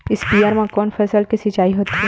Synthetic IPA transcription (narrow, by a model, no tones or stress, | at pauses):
ɪspiːaːɾmãkɔːnfʰɛːsəlkisit͡ʃaːiɦoːt̪iɦɛ